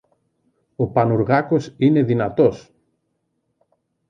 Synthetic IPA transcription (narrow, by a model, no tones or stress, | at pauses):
o̞pɐnuɾɣɐko̞sine̞ðinɐt̪o̞s